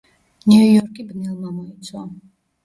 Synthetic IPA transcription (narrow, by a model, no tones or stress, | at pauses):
niujɔɾkʼibnɛlˠmamɔit̪sʰwa